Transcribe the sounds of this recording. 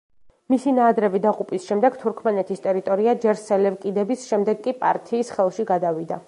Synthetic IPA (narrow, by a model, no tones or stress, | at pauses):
misinaːd̪ɾɛvid̪aqʼupʼisʃɛmd̪ɛɡt̪ʰuɾkʰmɛnɛt̪ʰist̪ʼɛɾit̪ʼɔɾiad͡ʒɛɾsɛlɛvkʼid̪ɛbisʃɛmd̪ɛɡkʼipʼa̰ɾt̪ʰiːsχɛlˠʃiɡad̪avid̪a